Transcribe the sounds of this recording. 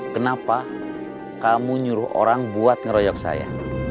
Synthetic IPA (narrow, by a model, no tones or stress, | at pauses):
kənapa | kamuɲuɾʊhʔo̰ɾaŋbuat̪̚ŋəɾɔjɔk̚sa̰ja̰